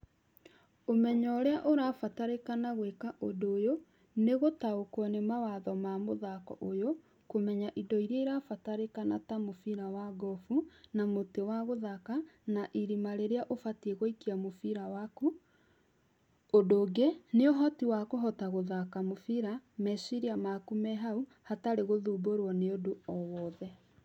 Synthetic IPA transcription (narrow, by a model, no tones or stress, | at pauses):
omɛɲɔɾeaʔoɾafataɾekanaɣwekaʔodooːjo | neɣotaokwɔnemawaðɔmamoðakɔ̰ʔojo | komɛɲaʔidɔiɾeɾafataɾekanatamofiɾawaɡɔfunamotewaɣoðakanaʔiɾimaɾeɾeaʔofatieɣoikiamofiɾawaku | odoːɡeneoɦɔtiwakoɦɔtaɣoðakamofiɾamɛsiɾiamakumɛɦau | hataɾeɣoðuːboɾwɔneodoɔwɔðɛ